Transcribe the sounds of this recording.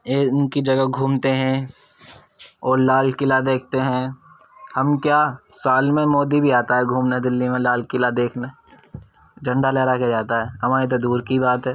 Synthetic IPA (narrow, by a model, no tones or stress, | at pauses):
eːnkid͡ʒɐɡəɡʱũːmt̪eɦɛ̃ | ɔːɾlaːlkɪlad̪eːk̚ʰt̪eɦɛ̃ | hɐmkjaːsaːlmẽmoːd̪ibʱiaːt̪aɦɛɡʱuːmned̪ɪlːimẽlaːlkɪlad̪eːkʰne | d͡ʒɐ̃ɳɖalɛːɾaked͡ʒaːt̪aɦɛːɦɐmaːɾit̪̬od̪uːɾkibaːt̪ɦɛː